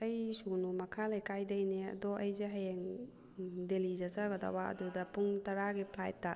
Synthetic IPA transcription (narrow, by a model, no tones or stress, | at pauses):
ɐjsunumɐkʰalejkajdɐjneɐ̰dɔʔɐjzeɦajeŋ | delid͡ʒɐsaɡɐda̰waɐ̰dudɐpuŋtɐɾaɡipʰlajtːa